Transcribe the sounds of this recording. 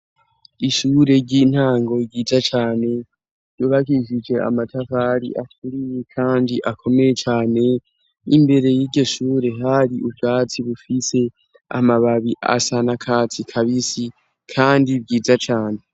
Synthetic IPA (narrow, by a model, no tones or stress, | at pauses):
iʃuːɾe̞ɟin̥haːŋɡo̞ɟiːzat͡ʃaːne̞ | ɾɟoβakiʃid͡ʒe̞a̰matafaɾḭʔatuɾijekʰaːndiʔakʰo̞me̞je̞t͡ʃaːne̞ | imbe̞ɾe̞jiːɟo̞ʃuːɾe̞ɦhaɾiʔubɡaːt͡siβufise̞ | a̰maβaβiʔa̰sanakʰaːt͡sikʰaβisi | kʰaːndibɟiːzat͡ʃaːne̞